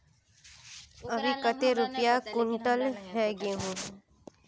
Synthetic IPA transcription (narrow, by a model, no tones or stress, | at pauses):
ɐbʱikət̪eɾʊpijakʊɳʈəlɦɛɡeɦõː